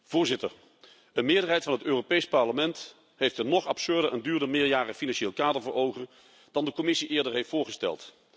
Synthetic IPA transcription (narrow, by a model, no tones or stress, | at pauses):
v̥ʊːɹzɪtə̰ɹ | ənmɪːɹdəɹɦɛjtfɑnɦətøːropejspɑɹləmɛnt | ɦejftənɔχɑpsøɹdəʔəndyːɹdəmɪːɹjaːrəfinɑnʃeːlˠkaːdəɹvəɹowχən | d̥ɑndəkɔmɪsiʔɪːɹdəɹɦejftfʊːɹχəstɛ̰lˠt